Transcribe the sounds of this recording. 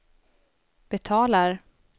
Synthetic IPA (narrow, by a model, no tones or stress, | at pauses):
b̥ɛt̪ʰɑːlaɾ